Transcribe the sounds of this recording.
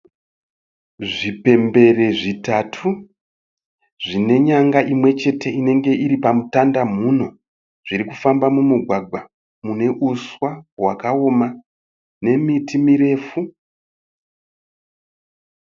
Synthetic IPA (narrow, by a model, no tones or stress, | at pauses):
ʐipe̞mbe̞re̞ʐitatʰu | ʐine̞ɲaŋɡaʔimwe̞t͡ʃe̞te̞ine̞ŋɡe̞iɾipamutandam̤uno̞ | ʐ̥iɾikufambamumuɡʱwaɡʱwa | mune̞ʔuswawakao̞ma | ne̞mitimiɾe̞ːfu